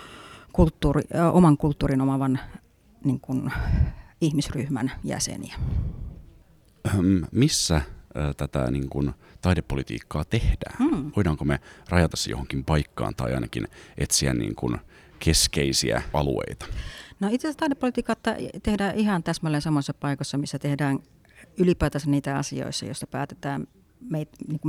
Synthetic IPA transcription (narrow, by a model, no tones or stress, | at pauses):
kult̪ːuːriʔomɑŋkult̪ːuːrinomɑʋɑn | niŋkun | ihmisryhmæ̰njæ̰sḛnḭæ | mmisːæt̪æt̪æ̰niŋkun | t̪ɑjdepːolit̪ḭːkːɑːt̪ehdæ̰ːnʋoidɑːŋkomerɑjɑt̪ɑsːijo̰hoŋkimpɑikːɑ̰ːnt̪ɑiʔɑinɑkinʔet̪siæ̰nnḭːŋkun | kʰeskeisiæ̰ɑlṵḛit̪ɑ̥noit̪sest̪ɑidepːolit̪iːkɑt̪ːɑt̪ehdæːʔihɑnt̪æsmolːensɑmːˑosesːɑpɑikosːɑmisːæt̪ehdæːn | ylipæˑːt̪ɑsːɑniːt̪æɑ̰sḭo̰isːɑ̰jo̰ist̪ɑpæ̰ːt̪e̥t̪æːm | meit̪niːŋku